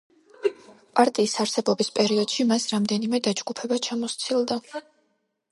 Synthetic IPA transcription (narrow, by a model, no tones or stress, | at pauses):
pʼaɾt̪ʼiːsaɾsɛbɔbispʼɛɾiɔd̪̥ʃimasɾamd̪ɛnimɛd̪ad͡ʒɡupʰɛbat͡ʃʰamɔst̪sʰilˠd̪a